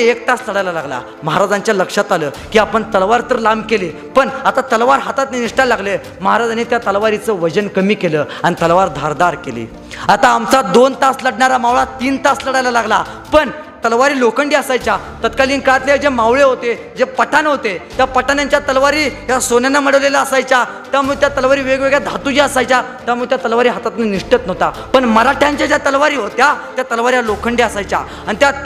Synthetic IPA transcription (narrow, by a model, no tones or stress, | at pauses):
ek̚t̪asləɽajlalaɡla̰ | məɦaɾad͡zaɲt͡ɕjaləkʂat̪aləː | kiːapəɳt̪əlʋaɾt̪əɾlambkeleː | pəɳat̪at̪əlʋaɾɦat̪at̪niniʂʈalaɡle | məɦaɾad͡zanit̪jat̪əlʋaɾit͡səʋəd͡ʑənkəmiːkeləanit̪əlʋaɾd̪ʱaɾd̪aɾkelḭː | at̪aːmt͡sad̪ont̪asləɽɳaɾamawɭat̪iːnt̪asləɽajlalaɡla | pəɳ | t̪əlʋaɾiːlokəɳɖiəsajt͡ɕa | t̪ət̪kaliːnkat̪leed͡zemawɭeɦot̪e | d͡zepəʈʰanɦot̪et̪japəʈanjaɲt͡ɕjat̪əlʋaɾiːjasonanaməɽəʋlelaəsajt͡ɕa | t̪jamuɭt̪jat̪əlʋaɾiːʋeɡʋeɡɭjad̪ʱat̪ud͡ʑjaəsajt͡ɕja | t̪jamuɭet̪jat̪əlʋaɾiːɦat̪at̪naniʂʈət̪nəɦt̪apəɳməɾaʈʰjãɲt͡ɕjad͡ʑjat̪əlʋaɾiːɦot̪jat̪jat̪əlʋaɾjalokʰəɳɖiəsajt͡ɕja̰ | anit̪ja